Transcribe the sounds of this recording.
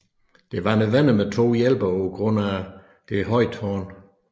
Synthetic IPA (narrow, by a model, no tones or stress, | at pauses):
d̥e̝ʋɑ̈neʋen̰əmet͡sʰo̝̰ːjel̰b̥ɐɒɡ̥ʁɔnæ | d̥e̝ɦɒ̽ɪ̰d̥hɒn